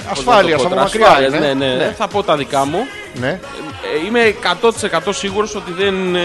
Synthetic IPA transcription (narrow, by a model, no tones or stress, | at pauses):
ɐsofaliɐɐsoɾɐɐsɾiɐliɐzneneneθɐpo̞t̪ɐðikɐmu | ne | ime̞kɐt̪o̞t̪i̥se̞kɐt̪o̞siɣuɾo̞so̞t̪iðen